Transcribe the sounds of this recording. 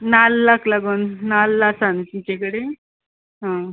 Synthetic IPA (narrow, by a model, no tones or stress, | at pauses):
nalːaklaɡuːnːalːasant͡ɕit͡ɕekəɽe | ɦã